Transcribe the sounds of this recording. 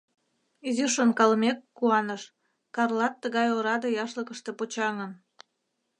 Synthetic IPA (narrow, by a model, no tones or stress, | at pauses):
izyʃonkɑlmekːuɑnəʃ | kɑrlɑt̪ːəɣɑjoɾɑd̪ɤjɑʃləkəʃt̪e̽pot͡ɕɑŋən